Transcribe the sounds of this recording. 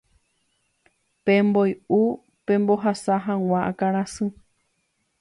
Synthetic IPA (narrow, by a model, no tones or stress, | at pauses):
pẽmboju | pẽ̞mbo̞ɦasaɦãw̃ãʔakaɾ̃ãsɨ